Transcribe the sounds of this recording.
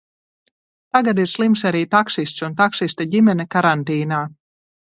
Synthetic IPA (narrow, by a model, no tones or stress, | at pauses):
t̪aɡad̪iɾslˠims̬aɾiːt̪aksist̪sunt̪aksist̪aɟʲimʲɛnɛkaɾant̪iːnaː